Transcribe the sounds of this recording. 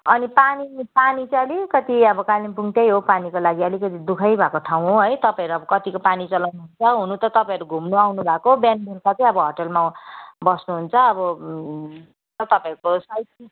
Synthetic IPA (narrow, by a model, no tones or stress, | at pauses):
ʌnipanipanit͡sʌlikʌt̪iʌbʌkalinpuŋt̪ʌjɦopanikolaɡiʌlikʌt̪id̪ukʰʌjbʱakoʈʰaw̃ɦoɦʌjt̪ʌpãĩʌɾuʌbʌkʌt̪ikopanit͡sʌlʌwnuɦunt͡sʰʌɦunut̪ʌt̪ʌpãʌɾuɡʱumnuawnubʱakobjanburkat͡sʌj̃ʌbʌɦʌʈʌlmabʌsnuɦunt͡sʰʌːbʌ | ʌt̪ʌpãiɾukosʌjti